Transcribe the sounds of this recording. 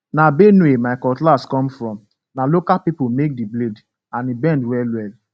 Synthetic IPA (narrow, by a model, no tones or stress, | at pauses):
nabenuemaɪkɔtlaskɔ̃mfɾɔm | nalokalpipomek̚dibled | anibɛ̃ndwɛlwɛl